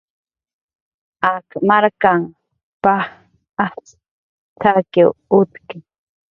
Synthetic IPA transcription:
akmaɾkaŋ | paχ | at͡s | t̪ʰakewʊt̪kɪ

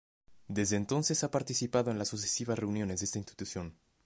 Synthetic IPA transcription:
d̪e̞zðeːnt̪o̞nse̞sapaɾt̪isipaðoe̞nlasːusesiβ̞asre̞unjo̞nezðest̪ainst̪i̥t̪usjo̞n

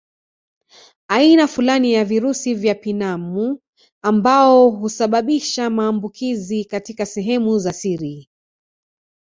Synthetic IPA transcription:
ainafulanijaviɾusivjapinamu | ambaɔɦusaɓaɓiʃamaːmbukʰizikatikasɛɦɛmuzasiɾi

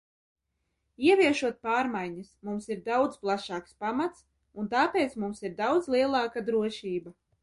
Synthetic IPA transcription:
iɛvʲiɛʃuɔt̪̚paːɾmajɲasmumsiɾd̪awd̪zplˠaʃɑːkspamat̪s | unt̪aːpeːt̪smumsiɾd̪awd̪zlˠiɛlˠɑːkad̪ɾuɔʃiːba

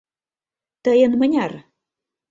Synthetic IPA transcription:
t̪əjə̆nmənʲɑr

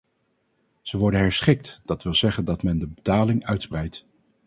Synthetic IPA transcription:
z̥əʋɔɹdənɦɛɹsχɪk̚td̥ɑtʋɪlˠzɛχəndɑtmɛndəbətaːlɪŋœɥtsprɛjt

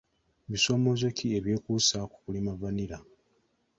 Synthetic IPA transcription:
βiso̞mo̞zokieβje̞ːkusaku̥kulimavaniɾa

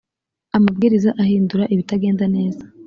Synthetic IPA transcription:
amab̚ɡiːɾizaʔahiːnduɾaʔiβitaɡe̞ːndane̞ːzḁ

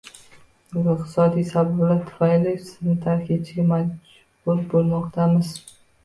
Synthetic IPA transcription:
bɪzɪq̚t̪ʰɪ̥sɒd̪ijsabablaɾt̪ʰʊ̥fajlɪsɪznɪt̪ʰaɾkʲʰɪt͡ʃʰɪɡʲamad͡ʒ | bʊɾbolˠmɒqt̪ʰamɪz̥

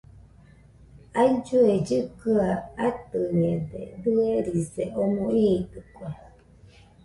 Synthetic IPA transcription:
aid͡ʒued͡ʒɨkɨaat̪ɨɲed̪ḛd̪ɨeɾiseʔomõʔiːt̪ɨkʷa

